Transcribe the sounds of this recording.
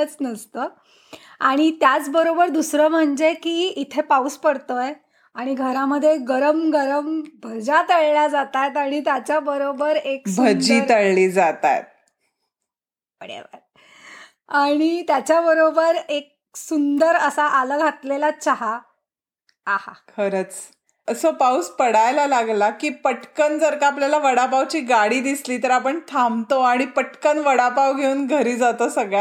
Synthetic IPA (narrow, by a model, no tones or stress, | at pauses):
ət͡snəst̪əː | aɽ̃it̪jat͡sbəɾobəɾd̪usɾəːm̤əɳd͡ʑekiːit̪ʰepauspəɽt̪əj | aɽ̃iɡʱəɾaməd̪ʱːjeɡəɾəmɡəɾəmbʱəd͡ʑat̪əɭlad͡zat̪at̪aɽ̃it̪̬jat͡ɕjabəɾobəɾeksbʱəd͡ʑiːɾt̪əɭliːd͡zat̪a̰jt̪̚ | pəɽḛʋə̰ɾ | aɽ̃it̪jat͡ɕjabəɾobəɾek̚ | sund̪əɾəsaʔaləɡʱat̪lelat͡ɕaɦa | aha̰kʰəɾət͡s | əsəpawspəɽajlalaɡlakiːpəʈkənd͡zəɾkaːpljalaʋəɽapawt͡ɕiːɡaɽiːd̪isliːt̪əɾapəɳt̪ʰamt̪oaɽ̃ipəʈkənʋəɽapawɡʱeuːnɡʱəɾiːd͡zat̪osəɡɭa